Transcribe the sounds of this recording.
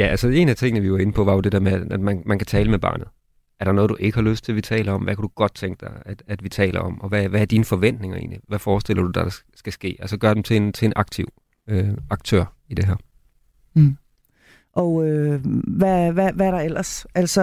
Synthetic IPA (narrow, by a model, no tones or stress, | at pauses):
jæʔælsəe̝ːnæ̥t͡sʰe̝ŋənəʋiʋɑ̈e̝nəpʰɒ̽ʋɑ̈jo̝d̥e̝d̥eɐmeææd̥mænmænkʰæt͡sʰɛːləmeb̥ɑ̰̈ːnð̩ˠ | æɐɾɑnɔ̽ðˠd̥uʔe̝ɡ̥əhɑ̈løsd̥̚t͡sʰe̝lʋit͡sʰɛ̰ːləɒ̽mʋækʰæd̥uɡ̥ɒ̽d̥̚t͡sʰeŋɡ̥əd̥ɑ̈ɪæd̥æd̥ʋit͡sʰɛ̰ːlʔɐ̰ɒ̽mɒ̽ʋæʋææɐd̥iːnəfɒ̽ʋen̰d̥ne̝ŋɐei̝̰ːdnliʋæfɒːsd̥e̝l̰ɐd̥ud̥ɑd̥ɑ | sɡ̥æsɡ̥e̝̰ːælsəɡ̥ɶɐd̥emt͡sʰe̝nt͡sʰe̝enʔɑ̈ɡ̥̚t͡sʰiʊ̰ | øɑ̈ɡ̥̚t͡sʰø̰ɐ̰ | id̥e̝ɦæɐ̰ | ʔɒøʋæʋæʋæɐɾ̥ɑ̈el̰ɐsælsɒ